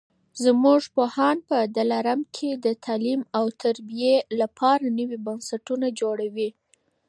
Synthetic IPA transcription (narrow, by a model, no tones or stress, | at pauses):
zmuʐpohɑnpəd̪alaɾamkʰed̪ət̪ʰɑlimawt̪ʰaɾbijelapʰɑɾanəwibansaʈunad͡ʒoɽawi